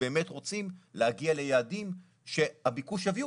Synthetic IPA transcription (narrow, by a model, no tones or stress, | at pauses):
eːme̞tʁo̞t͡simlehaɡiale̞jaːdim | ʃe̞habikuʃavi